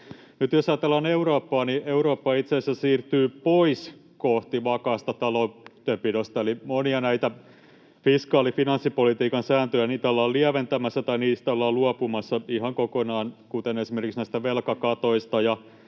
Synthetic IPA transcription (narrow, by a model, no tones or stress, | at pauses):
nyt̪josɑjɑt̪elːɑːneuɾoːpːɑːnieuɾoːpːɑit̪seːsæsiːrt̪yːpois | koht̪iʋɑkɑːst̪ɑt̪ɑlot̪ːøpidost̪ɑelimoniɑnæit̪æ | fiskɑːlifinɑnsːipolit̪iːkɑnsæːnt̪øjæniːt̪æolːɑːlliæʋent̪æmæsːæt̪ɑiniːst̪æolːɑːluɑpumɑsːɑihɑŋkokonɑːnkut̪enesimerkiksnæist̪æʋelkɑkɑt̪oist̪ɑjɑ